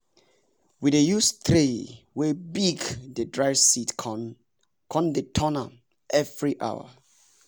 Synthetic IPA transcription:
widejust̪ʰɹe | webiɡdədɹajsit | kʰɔ̃ndetʰɔna | ʔɛvɹiʔa̰wa̰

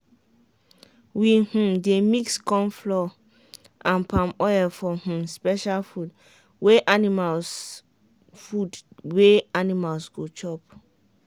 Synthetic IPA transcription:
wihũmdemikskɔ̃mflɔ | ʔãnpãmɔjɛfɔhũmspɛʃalfud | weʔanimals | fudweanimalsɡot͡ʃɔp

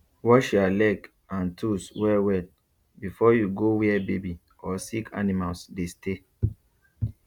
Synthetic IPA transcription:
wɔʃalɛɡ | ãntʰuswɛwɛt̚ | bifɔjuɡowiɛbebi | ɔsikʰa̰nimalsdeste

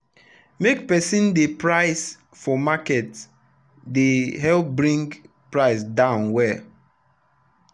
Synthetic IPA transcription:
mek̚pɛsĩndepɹaɪs | fɔmakɛt | deɦɛlp̚bɹĩŋɡ | pɹaɪsdãʊ̃nwɛ

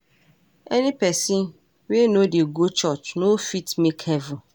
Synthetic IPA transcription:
ɛnĩpɛsĩn | wenodeɡot͡ʃɔt͡ʃnofitmekhɛvʊ̃

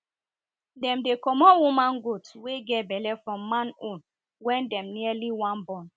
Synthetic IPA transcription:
dɛ̃mdekɔmɔwumãnɡotweɡɛbɛlɛfɹɔ̃mːãnõn | wɛ̃ndɛ̃mnialiwãnbɔ̃n

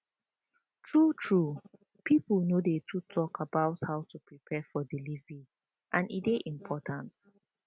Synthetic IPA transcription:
tʰɹutʰɹu | pʰiplnodetʰutʰɔkʰabaʊthaʊtʰupʰɹipʰɛfɔdilizi | ʔãnḭdeʔĩmpʰɔtʰãnt

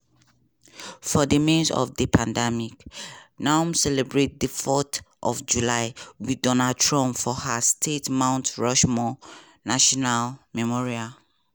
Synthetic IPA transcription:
fɔdəmĩnsɔ̰fdəpʰãndɛmiknãmsɛlɛbɹet̚dəfɔt | ʔɔfd͡ʒulaɪwidɔnad̚tʰɹɔ̃mfɔhastʰetmãʊ̃ntɹɔʃmɔ | naʃɔnalmɛmɔɹial

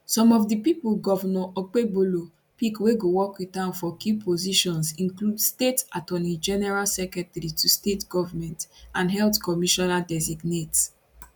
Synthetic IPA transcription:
sɔ̃mɔfdipipulɡɔvɔnɔʔɔk͡pebolo | pikweɡowɔkwitãʊ̃nfɔkipʰoziʃɔ̃nsĩnkludstetatɔnid͡ʒɛnɛɹalsɛkɹɛtɛɾitʰustetɡɔvamɛ̃ntãnɦɛltkɔmiʃɔnadɛziɡnet

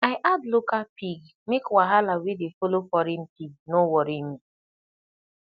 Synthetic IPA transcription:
aɪʔadlokalpiɡ | mekwaɦalawedefolofɔɾin̩timnowɔɾimi

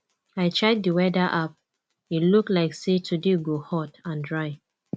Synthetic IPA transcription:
aɪt͡ʃɛk̚diwɛdaʔap̚ | iluklaɪksetʰudeɡohɔtãndɹaɪ

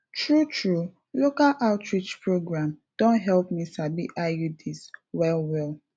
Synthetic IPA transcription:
tɹutʰɹu | lokalʔaʊtɹit͡ʃpɹoɡɹãmd̥õntɦɛlpmisabiʔajudiswɛlwɛlˠ

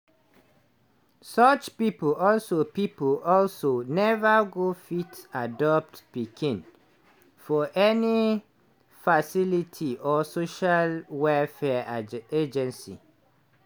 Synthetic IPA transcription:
sɔt͡ʃpiplɔlsopipəlɔlsonɛvaɡofitadɔp̚tpikʰĩn | fɔʔɛni | fasilitʰiʔɔsoʃalwɛfɛed͡ʒɛ̃nsḭ

